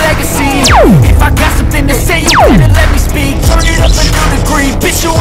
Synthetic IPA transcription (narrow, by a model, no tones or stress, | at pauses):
lɛɡɨsĩɪfaɪɡɑtsʌ̃mθɪ̃ŋtɨseɪj̃nɨ̃lɛt̚mispik̚ɨʌɨkɨɾɨɡɹibɪt͡ʃə